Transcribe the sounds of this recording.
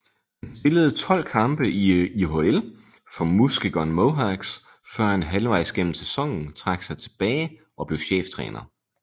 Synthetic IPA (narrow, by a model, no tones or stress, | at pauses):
hænsb̥e̝ləð̞̩ˠt͡sʰɒ̽l̰kʰɑ̈mb̥əʔiiɦoel | fɒ̽musɡ̥əɡ̥ɒnmoʊɦɑɡ̥s | fɶɐ̰hænɦælʋɑ̈ɪ̰sɡ̥en̰m̩sesɒ̽ŋ̰n̩t͡sʰʁɑ̈ɡ̥sɑ̈ɪt͡sʰe̝̥b̥ɛːɪ | ʔɒ̽b̥le̝ʊɕḛːft͡sʰʁɛ̰ːnɐ